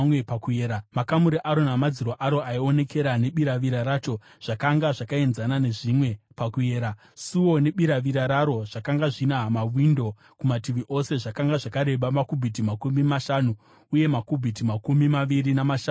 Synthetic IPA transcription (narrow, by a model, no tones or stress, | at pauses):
wepakueɾamakamuɾiʔaɾo̞namad͡ziɾoʔaɾo̞aio̞ne̞ke̞ɾane̞ɓiɾaʋiɾaɾat͡ʃo̞ | ʐ̥akaŋɡaʐakae̞nzanane̞ʐimwe̞pakueːɾa | suwo̞ne̞ɓiɾaʋiɾaɾaɾo̞ʐ̥akaŋɡaʐinamawindo̞ | kumatiʋiʔo̞se̞ʐakaŋɡaʐakaɾe̞ɓamakubʱit̬imakumimaʃanu | uje̞makubʱitimakumimaʋiɾinamaʃa